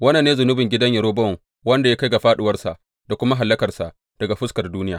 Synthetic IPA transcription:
wɐ˦na˨nːeː˦zʊ˨nʊ˦bɪ˨ŋɡʲɪ˦dɐ˦ɲjɐ˨ɾoː˦bɔ˦˨ŋ | wɐ˦nda˨ja˦ka˦jɡa˨ɸaː˦ɗɪ˦wɐ˦rsa˨ʔ | d̥a˨kʷʊ˦ma˦ɦa˨lːɐ˦kɐ˨rsa˨ʔ | d̥ɐ˨ɡa˨ɸʊ˦skɐ˨rduː˦nɪ˦jaː˨

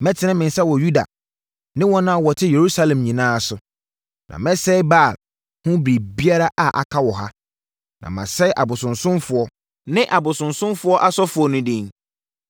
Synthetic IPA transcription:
mɛ̃˦tʰɪ˨nɪ̃˦mɪ̃˨n˨sɛ˦wɔ˨ju˦da̰˨ | nɪ̃˦wɔ̃˦nã˦a˦wɔ˨tʰɪ˦je˨ɾu˦sa˦lɛ̃˨mɲĩ˨nãː˦a˨sʊ˨ | nʔã̰˨mɛ̃˦sɛ˦ɪ˦ba˦˨l | hʊ̃˦bɾi˨bi˦a˦ɾa˦ʔa˨ʔa̰˨kʰa˦wɔ˨ɦa˦ | nã̰˨mã̰˨sɛ˦ɪ˦ʔa˨bʊ˨sʊ̃˨nsʊ̃˦mfʊ˨ɔ˦ | nɪ̃˦ʔa˨bʊ˨sʊ̃˨nsʊ̃˦mfʊ˦ɔ˦ʔa˦sɔ˦fʊ˨ɔ˦nʊ̃˦dĩ˦ŋ

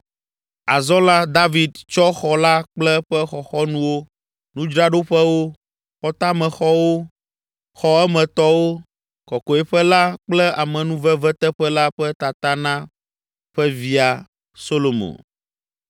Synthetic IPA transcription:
a˨zɔ̃˦la˦d̪a˦vi˨d̪t͡ʃɔ˦xɔ˨la˦k͡plɛ˦ɸɛ˦xɔ˨xɔ˦nũ˦wo˦ | nũ˦d͡ʒɾa˦ɖo˦ɸɛ˦wo˦ | xɔ˦t̪a˦mɛ̃˨xɔ˦wo˦ | xɔ˦ɛ˦mɛ̃˨t̪ɔ˦wo˦ | kɔ˨kɔ˨ɛ˦ɸɛ˦la˦k͡plɛ˦a˨mɛ̃˨nũ˦vɛ˦vɛ˦t̪ɛ˦ɸɛ˦la˦ɸɛ˦t̪a˨t̪a˦nã˦ | ɸɛ˦vi˦a˨ | so˦lo˨mõ̰˨n

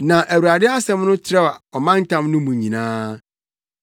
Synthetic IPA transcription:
nã˨ʔæ˨wu˨ɾa˨dɪ˦a˦sɛ̃˦mnʊ̃˦t͡ɕʰɪ˦ɾɛ˦a˨ɔ˨mã˦n˦tʰã˦mnʊ̃˦mũ˨ɲĩ˨nãː˦

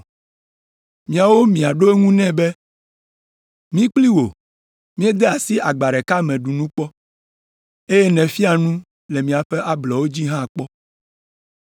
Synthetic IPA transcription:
mĩ˨a˨wo˦mĩ˨a˨ɖo˦e˦ŋũ˦nɛ̃˦˨be˦ | mĩ˦k͡pli˦wo˨ | mĩ˦e˦d̪ɛ˦a˨si˦ʔa˨ɡ͡ba˨ɖɛ˨ka˦mɛ̃˨ɖu˨nũ˦k͡pɔ˦ | e˦je˦nɛ̃˨fi˦a˨nũ˦ | le˨mĩ˨a˨ɸɛ˦ʔa˦blɔ˨wo˦d͡ʑi˦ɦã˦˨k͡pɔ˦

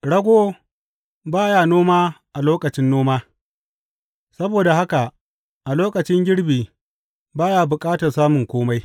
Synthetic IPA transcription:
ɽɐ˦ɡʷoː˦ | baː˦jaː˦˨noː˦maː˦ʔa˨loː˦kɐ˨t͡ʃɪ˦nːoː˦maː˦ | sɐ˦boː˨da˨ɦa˦ka˨ | ʔa˨loː˦kʼɐ˨t͡ʃɪ˦ŋɡʲɪ˦ɽbiː˨ | baː˦jaː˦bʊ˨kʼaː˦tɐ˨rsaː˦mʊ˨ŋkʷoː˦ma˦j

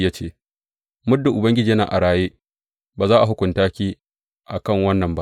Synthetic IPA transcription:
jaː˦t͡ʃeː˦˨ | mʊ˦dːʊ˨ʔʊ˨bɐ˦ŋɡʲɪ˦d͡ʒiː˨˦na̰ː˨ʔa̰˨ɽaː˨jeː˦ | baː˨zaː˦ʔa˨ɦʊ˦kʷʊ˨ntaː˦kʲiː˦ | ʔa˨kɐ˦˨ŋwɐ˦nːɐ˨mba˦ʔ

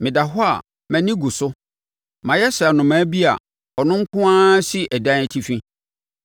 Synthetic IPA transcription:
mɪ̃˨da˨ɦʊ˦a̰˨ | mɛ̃˨nĩ˦ɡu˨sʊ˦ | mã˨jɛ˦sa˨nʊ̃˨mãː˨˦bi˦a̰˨ | ɔ˨nʊ̃˦ŋ̩˦kʰʊ̃˦ãː˦si˦ʔɛ˨dã˦nɛ˨tʰi˦fĩ˦

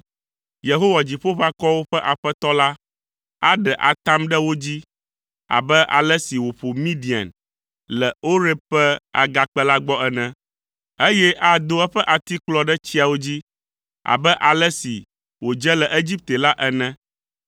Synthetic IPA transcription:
je˨ɦo˦wa˨d͡ʑi˨ɸo˦ɸa˦kɔ˦wo˦ɸɛ˦ʔa˨ɸɛ˦t̪ɔ˦la˦ | a˦ɖɛ˨ʔa̰˨t̪a˦mɖɛ˦wo˦d͡ʑi˦ | a̰˨bɛ˦ʔa̰˨lɛ˦si˨wo˨ɸo˨mĩ˦ɖi˨a̰˨n | lɛ˨o˦ɾe˦ɸɛ˦a̰˨ɡa˨k͡pɛ˦la˦ɡ͡bɔ˦ɛ˦nɛ̃˦ | e˦jɛ˦ʔa˦d̪o˦ɛ˦ɸɛ˦ʔa˨t̪i˦k͡plɔ˦ɖɛ˦t͡ɕi˦a˨wo˦d͡ʑi˦ | a̰˨bɛ˦ʔa˨lɛ˦si˨ | wo˨d͡ʒɛ˦lɛ˨ʔe˦d͡ʑi˦p̚t̪e˨la˦ʔɛ˦nɛ̃˦

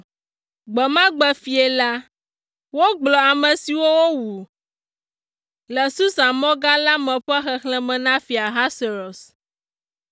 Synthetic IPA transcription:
ɡ͡bɛ˨mã˦ɡ͡bɛ˦fi˨ɛ˨la˦ | wo˦ɡ͡blɔ˨a˨mɛ̃˨si˨wo˦wo˦wu˨ | lɛ˨su˦sa˨mɔ̃˦ɡa˦la˦mɛ̃˨ɸɛ˦xɛ˨xlɛ̃˦mɛ̃˨nã˦fi˨a˨ɦa˦se˨ɾɔ˨s

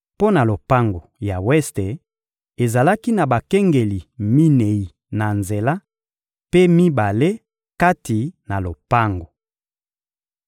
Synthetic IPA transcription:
po˦na˨lo˨pa˦ŋɡo˨ja˨wɛ˦ste˨ | e˨za˨la˦ki˦na˨ba˨kɛ˦ŋɡe˨li˨mi˦ne˨i˨ | na˨nze˨la˦ | pe˦mi˦ba˨le˦ | ka˦ti˨na˨lo˨pa˦ŋɡo˨

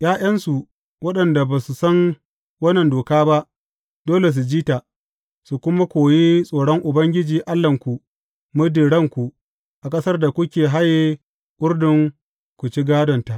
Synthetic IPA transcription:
j̰ʔaː˦j̰ɐ˦nsu˨ | wɐ˦ɗɐ˨nda˨baː˨su˨sɐ˦n | wɐ˦nːɐ˨ndoː˨kaː˦ba˦ʔ | doː˦le˨s̬u˨d͡ʒiː˦ta˨ | su˨kʷʊ˦ma˦kʷoː˨ji˦sʼoː˨ɽɔ˦ŋʔʊ˨bɐ˦ŋɡʲɪ˦d͡ʒiː˨ʔa˦lːɐ˨ŋkʷu˨ | mʊ˦di˨ɽɐ˦ŋkʷu˨ʔ | ʔa˨kʼɐ˦sɐ˦rda˨kʷʊ˦kʲeː˨ɦa˦ji˦ | kʼʊ˦rdɪ˨ŋ | kʷu˨t͡ʃi˦ɡaː˦dɔ˨nta˨ʔ

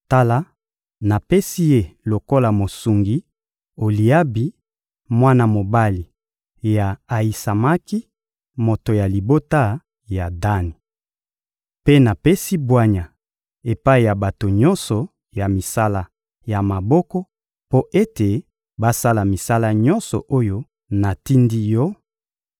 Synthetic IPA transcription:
ta˦la˦ | na˨pe˦si˦je˦lo˨ko˦la˨mo˨su˨ŋɡi˦ | o˨li˨ja˦bi˨ | mwa˦na˦mo˨ba˦li˨ | ja˨a˨i˨sa˨ma˦ki˦ | mo˨to˨ja˨li˨bo˦ta˦ | ja˨da˦ni˨ | pe˦na˨pe˦si˦bwa˦ɲa˨ | e˨pa˦i˨ja˨ba˨to˨ɲɔ˦nsɔ˨ | ja˨mi˨sa˦la˦ | ja˨ma˨bɔ˦kɔ˦ | po˦ʔe˦te˨ | ba˦sa˦la˨mi˨sa˦la˦ɲɔ˦nsɔ˨ʔo˦jo˦ | na˨ti˦ndi˦jɔ˦

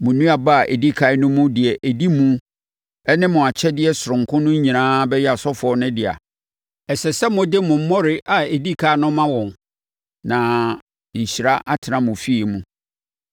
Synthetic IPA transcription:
mʊ̃˨nũ˦a˨ba˦a˨ʔḛ˨di˦kʰa˦ɪ˦nʊ̃˦mʊ̃˦dɪ˨ɛ˨ʔæ˨di˦mũ˦ | ɛ˦nɪ̃˦mʊ̃˨a˨t͡ɕʰɛ˦dɪ˦ɛ˦sʊ˨ɾʊ̃˨ŋ˨kʰʊ̃˦nʊ̃˦ɲ˦ɲĩ˨nãː˦bɛ˦jɛ˦a˨sɔ˦fɔ˦nʊ̃˦dɪ˨a̰˨ | ɛ˨sɛ˨sɛ˦mʊ̃˨dɪ˦mʊ̃˨m̩˦mɔ̃˦ɾɪ˦ʔa˨e˨di˦kʰa˦nʊ̃˦mã˦wɔ̃˨ŋ | nã˨ | ɲ̩˨ɕi˨ɾa˦ʔa˦tʰɪ˨nã˨mʊ̃˨fi˦e˨mũ˦

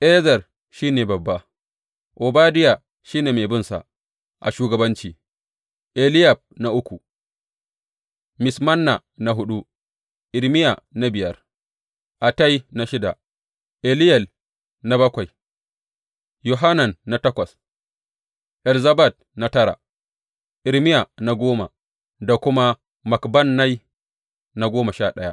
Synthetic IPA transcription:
ʔɛ˦zɐ˨r | ʃiː˦neː˨bɐ˨bːa˦ | ʔo˨baː˦dɪ˦ja˨ | ʃiː˦neː˨me˨bɪ˦nsa̰˨ | ʔa̰˨ʃuː˦ɡɐ˨bɐ˦nt͡ʃiː˨ | ʔe˨lɪ˦ja˨b̚na˦ʔʊ˦kʷu˨ | mɪ˨smɐ˦nːa˨ | na˦ɦʊ˦ɗu˦ | ʔɪ˨lmɪ˦ja˨na˦bɪ˨jɐ˦r | ʔa˨ta˦ji˦na˦ʃɪ˦da˨ | ʔɛ˨lɪ˦jɛ˨l | na˦bɐ˦kʷa˨j | ju˨ɦa˦na˨nːa˨tɐ˦kʷɐ˨s | ʔɛ˨lza˦ba˦˨t̚na˨tɐ˦ɾa̰˨ | ʔɪ˨ɾmɪ˦ja˨na˨ɡʷoː˦ma̰˨ | da˨kʷʊ˦ma˦ | ma˨kbɐ˦nːa˦j | na˦ɡoː˦ma˨ʃa˦ɗɐ˦ja̰˦ʔ

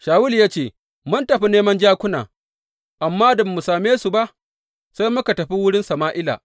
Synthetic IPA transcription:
ʃaː˨wʊ˦ljaː˦t͡ʃeː˦˨ | mʊ˦ntɐ˨ɸi˦neː˦mɐ˦nd͡ʒaː˦kʷʊ˦na̰ː˨ | ʔa˨mːaː˦da˨bɐ˨mu˨saː˨meː˦su˨ba˦ʔ | sa˦jmʊ˦ka˨tɐ˨ɸi˦wʊ˦ɽɪ˦nsɐ˨maː˦ʔɪ˦la̰˨

